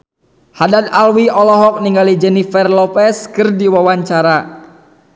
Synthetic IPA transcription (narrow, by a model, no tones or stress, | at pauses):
hadat̪̚alwiɔlɔɦɔk̚niŋɡalid͡ʒɛnifɛrlɔpɛskɨrdiwawaɲt͡ʃaɾa